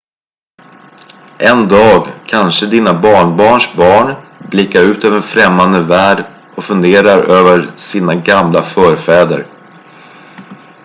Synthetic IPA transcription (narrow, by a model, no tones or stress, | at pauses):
ʔɛnd̪ɑːɡkʰanʂəd̪iːnabɑːɳbɑːɳʂbɑːɳblɪkːaɾʉ̟ːt̪øːvəɛnfɾɛmːand̪əvæːɖ | ʔɔfɵnd̪eːɾaɾøːvəɾsiːnaɡamlafœːɾfɛːd̪ə̰ɾ